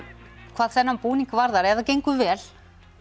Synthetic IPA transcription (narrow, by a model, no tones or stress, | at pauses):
kʰv̥aːðθɛnːampuːniŋkvaɾðaɾɛvðacejŋkʏvɛːl̥